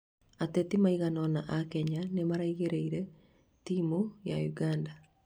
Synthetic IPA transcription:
atetimaiɣanɔnaʔakɛɲanemaɾaiɣeɾeiɾɛ | timojajuɡaːnda

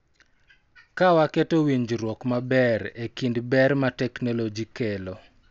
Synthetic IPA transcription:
kawaketowiɲd͡ʒɾwɔkmabɛɾekindbɛrmatɛknolod͡ʒikelo

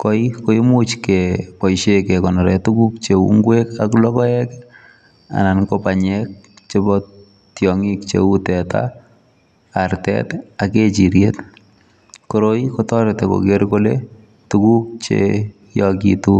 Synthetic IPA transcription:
kɔikoimut͡ʃkɛpɔjʃekɛkɔnɔɾɛtukup̚t͡ʃeṵŋɡwekaklɔkɔɛk | a̰nankopaɲɛk̚ | t͡ʃebɔ | tjɔŋikt͡ʃḛutɛta̰ | artɛ̰taket͡ʃiɾjet | koɾoikotɔɾtɛko̰keɾkolḛ | tukup̚t͡ʃḛ | jɔkḭtu

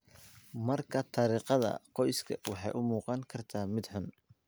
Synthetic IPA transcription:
mɐrkʰɐt̪ʰɑɾiːqɑðɐ̰qɔjskʰɐ̰wɑħɑjʔʊmuːqɑŋkʰɐrt̪ʰaːmɪd̪ħʊn

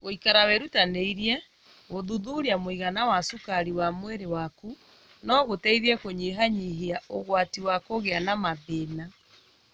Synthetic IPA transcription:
ɣoikaɾawɛɾutaneiɾiɛ | ɣoðuðuɾiamoiɣanawasukaɾiwamweɾewaku | nɔɣotɛiðɛkoɲiɦaɲiɦiaoɣwatiwakoɣeanamaðena

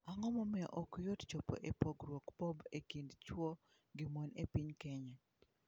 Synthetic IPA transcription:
aŋɔmɔmɛʔɔkjott͡ʃɔpɔ̰ʔepoɡɾwɔkbɔbekindt͡ʃwɔ | ɡɪmɔnepiɲkɛɲɛ

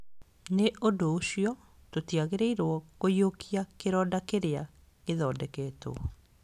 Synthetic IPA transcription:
neʔodooɕiɔ | totiaɣeɾeiɾwɔkojokʰiakeɾɔːdakeɾea | ɣeðɔːdɛkɛto̰

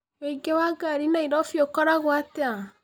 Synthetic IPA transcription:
weiɡewaɡaɾinaiɾɔfjokɔɾaɣwatea

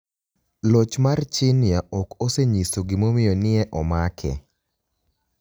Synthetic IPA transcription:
lot͡ʃmart͡ʃɪnɪjaʔɔkoseɲisoɡɪmomɪjɔnɪɛʔɔmakʰɛ̰

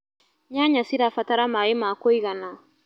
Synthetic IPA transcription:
ɲaɲasiɾafataɾamajimaːkoikana

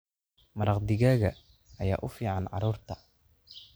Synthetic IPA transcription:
mɐɾɑqd̪ɪɣaːɣɐ | ɐja̰ːʔʊfiːʕɑnʕɑ̰ɾuːrt̪ʰɐ̥

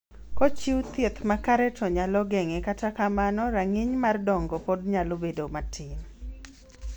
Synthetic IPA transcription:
kɔt͡ʃiwt̪jet̪makaɾɛtʰɔɲalɔɡɛŋɛkatakamanɔɾaŋiɲmardɔŋɡɔpodɲalobedomatʰɪm

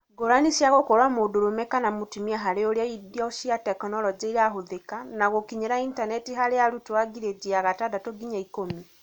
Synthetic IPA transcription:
ɡoɾaniʃiaɣokoɾwamodoɾomɛkanamotimiaɦaɾeoɾeaidiɔʃiatɛknɔlɔd͡ʒeiɾaɦoðekanaɣokiɲeɾaintanɛtiɦaɾeaɾutwaɡiɾed͡ʒiaɣatadatoɡiɲaikomi

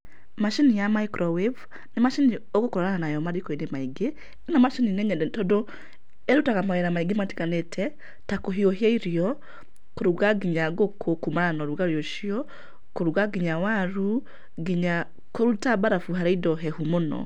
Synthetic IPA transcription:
maʃinijamaikɾʔɔwev | nemaʃinioɡokoɾɔɾananajɔmaɾikɔinemaiɡe | namaʃininɛɲɛdɛtɔdo | ɛɾutakamaweɾamaiɡemati̥kanetʰɛ | takoɦioɦjaiɾjɔ | koɾuɡaɡiɲaɡokʰokumaɾanɔɾuɡaɾjoʃiɔ | koɾuɡaɡiɲawaɾu | ɡiɲa | koɾutabaɾafuɦaɾeidɔɦɛhumonɔ̰

